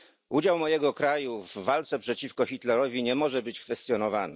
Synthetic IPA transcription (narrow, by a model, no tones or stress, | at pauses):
ud͡ʑawmɔjɛɡɔkɾajuvːalt̪sɛpʂɛt͡ɕifkɔxʲit̪lɛɾɔvʲiɲɛmɔʐɛbɘt͡ɕkfɛst̪ʲjɔnɔvanɘ